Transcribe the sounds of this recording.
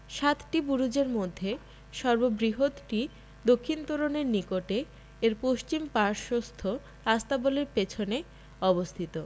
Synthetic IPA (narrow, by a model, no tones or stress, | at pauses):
ʃat̪ʈibuɾud͡ʑeɾmod̪ʱːe | ʃɔɾbobɾiɦod̪ʈi | d̪okʰːint̪oɾoneɾnikoʈe | eɾpoʃt͡ɕimpaɾʃost̪ʰo | ast̪aboleɾpet͡ɕʰone | ɔbost̪ʰit̪o